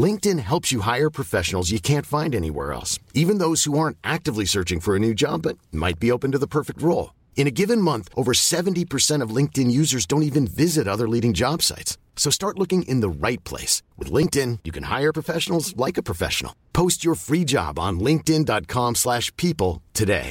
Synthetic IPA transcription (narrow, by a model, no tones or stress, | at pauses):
lɪ̃ŋk̚tɨ̃nɦɛlˠpsjɨɦaɪə˞pʰɹ̥ɨfɛʃn̩l̩ˠzjɨkʰæ̃ntfãɪ̃ndɛñḭwɛ̰ɹɛ̰lˠsivɨ̃nðoʊz̥huɑɹntʔæk̚tɨvlisɜ˞t͡ʃɪ̃ŋfə˞ɨnʉd͡ʒɑ̰bʌt̚ma̰ɪt̚b̥ioʊpɨ̃n̩tɨðəpʰɜ˞fɨk̚t̚ɹoʊlˠ | ɨ̃ñɨɡɪvɨ̃nmʌ̃nθʔoʊvə˞sɛṽntipʰə˞sɛ̃ɾ̃ʌvlɪ̃ŋk̚tɨ̃njʉzə˞zdõʊ̃ntivɨ̃nvɪzɨɾʌðə˞liɾɪ̃ŋd͡ʒɑb̥sa̰ɪts | soʊstɑɹtˡlʊkɪ̃ŋɪ̰̃nðəɹaɪt̚pʰl̥ḛɪswɨ̰ðlɪ̃ŋk̚tɪ̃njɨkʰɨ̃n̩ha̰ɪə˞pʰɹ̥əfɛʃnl̩ˠzlaɪkɨpʰɹ̥ɨfɛ̰ʃn̩̰l̩ˠpʰoʊst͡ʃə˞fɹid͡ʒɑ̰b̃n̩lɪ̃ŋk̚tɪ̃ndɑt̚kʰɑ̃mslæʃpʰipl̩ˠtʰɨdḛɪ